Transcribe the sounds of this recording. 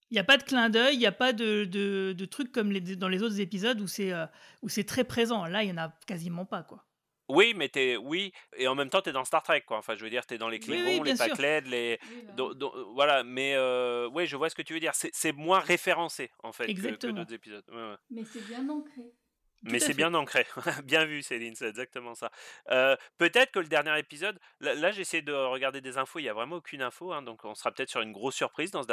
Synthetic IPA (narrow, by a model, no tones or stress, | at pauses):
iljapad̪əklɛ̃d̪œjijapad̪əd̪əd̪ət̪χykːɔmled̪ɑ̃lezot̪χzepizɔd̪usɛøusɛt̪χɛpχezɑ̃lailjɑ̃nakazimɑ̃pakwa | wimɛt̪yɛwieɑ̃mɛmt̪ɑ̃t̪yɛd̪ɑ̃st̪aʁt̪χɛkːwaɑ̃fɛ̃ʒəvəd̪iʁt̪yɛd̪ɑ̃leklemwĩljɛ̃spayklɛt̪led̪ɔ̰̃d̪ɔ̰̃vwalamɛøwɛʒəvwasə̥kət̪yvød̪iʁsɛsɛmwɛ̃ʁefeʁɑ̃seɑ̰̃fɛtzkət̪əd̪ot̪χzepizɔd̪wɛwɛmɛsɛbjɛ̃nɑ̃kχe | mɛsɛbjɛ̃nɑ̃kχeɛbjɛ̃vyselinsɛt̪ɛɡzak̚t̪əmɑ̃saøpøt̪ɛt̪χə̥kələd̪ɛʁnjɛʁepizɔd̪ | lalaʒeesejed̪əʁəɡaʁd̪ed̪ezɛ̃foeljavʁɛmɑ̃okʲʰynɛ̃foɛ̃d̪ɔ̃kɔ̃sə̥ʁapø̥ət̪ɛt̪χsyʁynɡʁosːyʁpχizd̪ɑ̃səd̪